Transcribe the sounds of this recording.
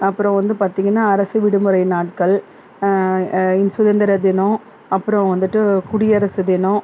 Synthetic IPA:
ɐpːɯɾɔ̃ʋɐnd̪ɯpaːɾt̪iːŋɡɐnːaːɐɾɐsɯʋɪɽɯmɯɾɐɪnaːʈ̚kɐɭ | ɪnsʊðɐnd̪ɐɾɐðɪnɔ̃ | ɐpːɯɾɔ̃ʋɐnd̪ɯʈːɯkʊɽɪjɐɾɐsɯðɪnõ

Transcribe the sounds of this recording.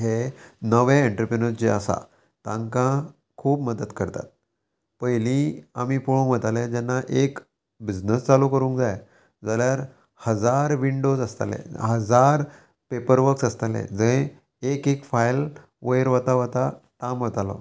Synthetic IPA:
ɦenəʋeeɳʈɾəpɾenəɾt͡ɕeəsa̰ | t̪ãŋkã | kʰuːpməd̪əd̪kəɾt̪a̰t̪̚ | pəjlĩamiːpuɭõŋm̤ət̪alẽd͡ʑɛnːaʔek | bid͡znəst͡salukəɾũːŋkd͡zaj | d͡zaljaɾ | həd͡zaɾʋiɳɖod͡zəst̪a̰lḛɦəd͡zaɾ | pepəɾʋəɾksəst̪alḛ̃d͡zə̃ | ekekfajl | ʋəjɾʋat̪aʋat̪aʈamʋət̪alɔ̰

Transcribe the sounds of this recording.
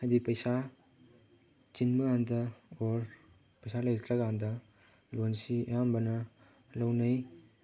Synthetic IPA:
ad̪ipɐjsa | t͡ʃinbɐɡandɐoɾ | pɐjsalɐjd͡ʒɐt̪ɾɐɡandɐ | lonsḭjambɐnɐ | lɐwnɐj

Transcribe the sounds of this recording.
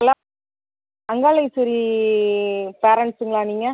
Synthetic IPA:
ɐla | ɐŋɡaːlɐɪsʊɾi | peːɾɐɳʈsɯŋɡɐɭaːniːŋɡɐ

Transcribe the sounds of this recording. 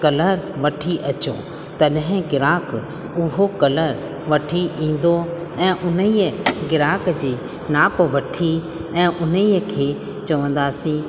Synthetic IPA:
kɐləɾʋɐʈʰiʔɐt͡ɕo̰ː | t̪ɐɗɦɪ̃ɡɪɾaːk | ʊɦokɐləɾ | ʋɐʈʰiʔĩːn̆d̪oɛ̃ːʔʊnəiːəɡɪɾaːkd͡ʑiː | naːpʋɐʈʰi | ɛ̃ːʔʊnəiːəkʰeː | t͡ɕɐʋə̃nd̪aːsĩ

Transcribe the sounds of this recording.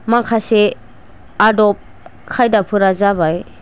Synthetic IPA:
makʰase | adɔp̚ | kʰajdapʰɯɾazabaj

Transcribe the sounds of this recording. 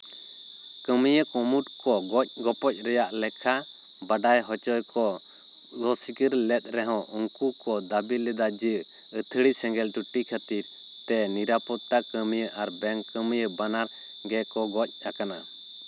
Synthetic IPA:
kəməjəkɔmuʈkɔɡɔc̚ɡɔpɔc̚ˀɾɛjaʔlɛkʰa | baɖajɦɔt͡ʃɔjkɔ | ɡɔsikəɾlɛt̪̚ɾɛɦɔ̃ʔɔŋkukɔd̪abilɛd̪ad͡ʒəʔ | ət̪ʰəɽisɛŋɡɛlʈuʈikʰət̪iɾ | t̪ɛniɾapɔt̪akəmijəʔaɾbɛŋkəməjəbanaɾ | ɡɛkɔɡɔc̚ˀakana

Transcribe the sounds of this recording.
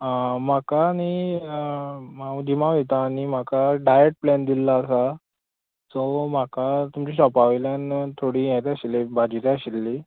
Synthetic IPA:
m̤akaːñi | maũd̪imaɛt̪aːñim̤akaɖajeʈ̚plɛnd̪ilaːsa | sɔm̤akat̪umt͡ɕiɕɔpaʋeljant̪ʰoɽiːjɛt̪aɕilebad͡ʑiɾeəɕilːi

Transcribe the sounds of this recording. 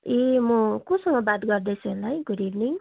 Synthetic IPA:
emukõsʌŋɡʌbad̪ɡʌrd̪esʰʌlajɡuɾibniŋ

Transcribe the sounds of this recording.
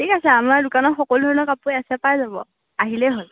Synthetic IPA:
tʰikasɛamaɹdʊkanɔtxɔkɔludʱɔɹɔnɔkapujasɛpajzabɔ̰ | aɦilɛɦol

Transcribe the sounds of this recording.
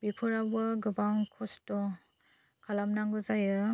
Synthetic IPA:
bipʰɯɾabaɡɯbaŋkʰɔstɔ | kʰalamnaŋɡɯzajɯ

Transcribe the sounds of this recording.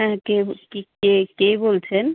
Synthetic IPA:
ɛ̃kekikekebolt͡ɕʰen

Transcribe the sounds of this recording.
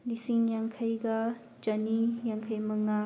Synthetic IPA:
lisiŋjaŋkʰajɡɐ | t͡ʃɐnijaŋkʰajmɐŋa

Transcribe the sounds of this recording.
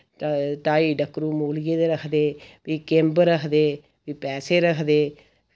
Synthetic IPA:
t̪aːiːɖəkɾũːmoːlɡeːd̪eːɾəkʰd̪eːʋiːkẽmbɾəkʰd̪eː | ʋiːpɛːseːɾəkʰd̪eː

